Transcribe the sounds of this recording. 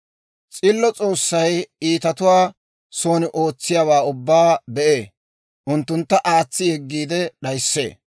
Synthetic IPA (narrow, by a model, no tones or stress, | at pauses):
t͡sʼɪlːɔt͡sʼo̞ːsːɐjiːt̪ɐt̪ʊwaː | so̞ːnɪʔo̞ːt͡sːɪjaːwaːʊbːaːbɛʔeː | ʔʊnt̪ːʊnt̪ːɐʔaːt͡sːɪhɛɡːiːd̪ɛɗɐjsːe̞̰ː